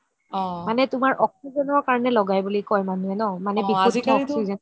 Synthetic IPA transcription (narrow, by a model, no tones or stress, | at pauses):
ɔmanɛtʊmaɹʔɔksizɔnɔɹkaɹɔnɛlɔɡajbulikɔjmanuɛnɔmanɛbikotiɔktsizɔn